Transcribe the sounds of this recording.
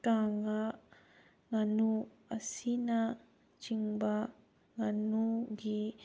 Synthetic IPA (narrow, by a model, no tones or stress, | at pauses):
kaŋa | ŋanu | asina | t͡ʃiŋba | ŋanuɡi